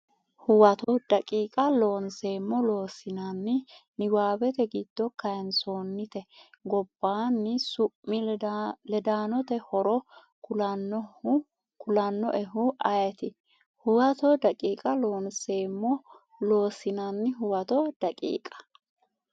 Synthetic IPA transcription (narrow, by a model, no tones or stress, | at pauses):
hʊwɐt̪ɔd̪̥ɐkʼiːkʼɐlo̞ːnse̞ːmːɔlo̞ːsɪnɐnːɪnɪwaːbɛt̪ɛɡɪd̪̥ːɔkɐjɛnsoːnːɪt̪ɛɡɔb̥ːaːnːɪsʊpːɪlɛd̪aːnɔt̪ɛhɔɾɔ | kʊ | kʊlɐnːɔʔɛɦʊʔɐjɛt̪ɪ | hʊwɐt̪ɔd̪ɐkʼiːkʼɐloːnseːmːɔ | lo̞ːsɪnɐnːɪɦʊwɐt̪ɔd̪̥ɐkʼḭːkʼɐ̥